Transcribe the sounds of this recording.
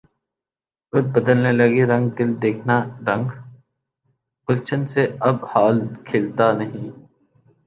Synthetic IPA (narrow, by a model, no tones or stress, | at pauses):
ɾʊt̪̚bəd̪əlnelɐɡiɾɐ̃ŋɡ̚d̪ɪld̪eːkʰnaɾɐ̃ŋɡ | kʊlt͡ʃʰənseɐbhaːlkʰeːlt̪anɐɦĩː